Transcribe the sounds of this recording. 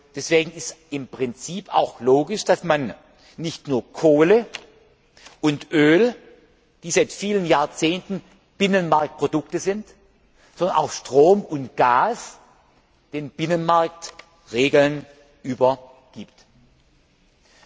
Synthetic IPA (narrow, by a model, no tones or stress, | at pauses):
d̥ɛsv̥eːɡŋ̩ɪstɪmpʁ̥ɪnt͡siːpʰa̰ʊxloːɡɪʃd̥asmanː | ɪçtnuːɐkʰoːlə | ʔʊntʔøːl | d̥iːzaɪtfiːlənjaːɐt͡seːntn̩ | b̥ɪnənmaɐk̚t̚pʁ̥odʊk̚təzɪnt | z̥ɔndɐnʔa̰ʊxʃtʁ̥oːmʊntɡ̥aːs | d̥eːnb̥ɪnənmaɐk̚t | ʁeːɡl̩n | ʔyːbɐ | ɡ̥iːp̚t